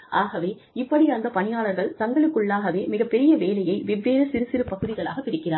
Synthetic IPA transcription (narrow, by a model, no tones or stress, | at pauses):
ʔaːɣɐʋeː | ɪpːɐɽiɐnd̪ɐpɐnɪjaːɭɐɾɣɐɭt̪ɐŋɡɐɭɯkːɯɭːaːɣɐʋeːmɪɣɐpːɛɾɪjɐʋeːlɐjɐɪʋɪʋːeːɾɐsɪɾɯsɪɾɯpɐɣɯðɪɣɐɭa̰ːɣɐpːɪɾɪkːɪɾaːɾ